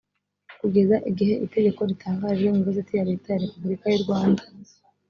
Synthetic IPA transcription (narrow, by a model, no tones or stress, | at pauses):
kuɡe̞zaʔiɡiɦe̞ʔite̞ɡe̞ko̞ɾitʰaːŋɡaːʒɡeŋuɡazatijaɾetajaɾe̞pubuɾikajuɾɡwaːnda